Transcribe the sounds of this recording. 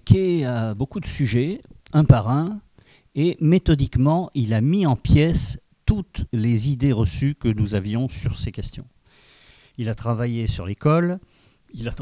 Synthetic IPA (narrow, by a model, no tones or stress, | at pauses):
kʲeabokud̪əsyʒɛɛ̃paʁɛ̃ | emet̪ɔd̪ikmɑ̃ʔilamiɑ̃pjɛs | t̪ut̪lezid̪eʁəsykənuzavjɔ̃syʁsekʲɛst̪jɔ̰̃ | ilat̪χavajesyʁlekɔl | ila